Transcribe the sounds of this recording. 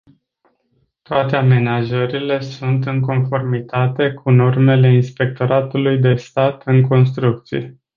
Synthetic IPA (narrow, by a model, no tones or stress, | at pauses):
t̪oat̪e̞ame̞naʒəɾile̞sunt̪ɨŋko̞nfo̞rmit̪at̪e̞kʰuno̞rme̞le̞inspe̞k̚t̪o̞ɾat̪ulujd̪e̞st̪at̪ɨŋko̞ns̬t̪ɾuk̚t̪sijḛ